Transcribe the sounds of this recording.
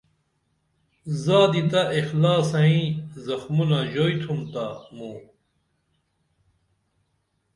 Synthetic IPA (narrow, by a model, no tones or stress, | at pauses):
zaːd̪it̪ɐʔixlaːsɐĩzɐxmunaʑoːjt̪ʰumt̪amu